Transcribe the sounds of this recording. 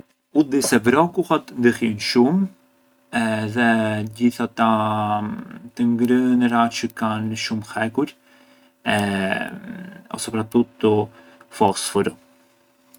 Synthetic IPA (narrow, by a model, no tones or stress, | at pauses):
ud̪isɛvɾɔkuhat̪nd̪əhinʃum | ɛðɛd͡ʑiθat̪a | t̪əŋɡɾənəɾat͡ʃəkanʃumxɛkuɾ | ɛ | ɔ̰sɛpɾat̪ut̪u | fɔsfuɾu